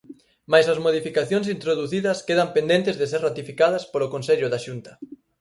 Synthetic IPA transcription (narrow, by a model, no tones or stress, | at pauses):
majsɐzmoðifikaθjoŋsint̪ɾoðuθiðɐskeðɐmpend̪ent̪ɪzðeseɾrat̪ifikaðɐspolokonseʎʊðaʃunt̪ɐ̥